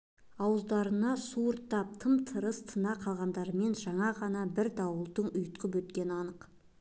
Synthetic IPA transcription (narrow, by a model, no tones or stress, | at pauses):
ɑwəzd̪ɑɾənɑsuəɾt̪ːɑp̚t̪ʰəmt̪ʰəɾəst̪ʰənɑqʰɑlˠʁɑnd̪ɑɾəme̞nʒɑɴɑʁɑnɑbɪɾd̪ɑwəlˠd̪əɴʊjt̪qəp̬wɵt̪̚kʲe̞nɑnəq